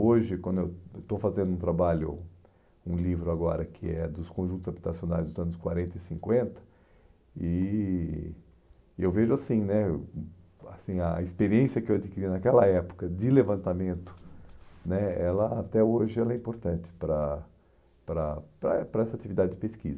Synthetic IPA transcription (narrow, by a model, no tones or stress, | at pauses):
oʒɪkwɐ̃nd̪ʊewt̪ofazẽnd̪ʊũt̪ɾabaʎʊ̰ | ũlivɾʊaɡɔɾɐkʰɪɛd̪ʊskõʒũt̪ʊzabit̪asionajzd̪ʊzɐ̃nʊskwaɾẽnt̪ɐɪsĩŋkwẽnt̪ɐ̥ | ɪ | ewveʒʊasĩnɛ | asĩɐispeɾiẽsjɐkɪewad͡ʒikiɾinakɛlɐɛpʊ̥kɐd͡ʒɪlevɐ̃nt̪amẽnt̪ʊ̥nɛɛlɐat̪ɛoʒɪɛlɐɛĩmpoɾt̪ɐ̃nt̪ɪ̥pɾɐ | pɾɐpɾɐɛpɾɐɛsɐat̪ivid̪adɪdɪpeskḭzɐ